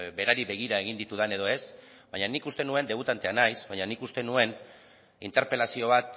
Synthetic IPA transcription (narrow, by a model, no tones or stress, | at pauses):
be̞ɾaɾiβe̞ɣ̞iɾae̞ɣ̞ind̪it̪uðane̞ðo̞e̞s | baɲanikust̪e̞nue̞nd̪e̞βut̪ant̪e̞anajsbaɲanikust̪e̞nue̞n | ḭnt̪e̞ɾpe̞lasio̞β̞at̪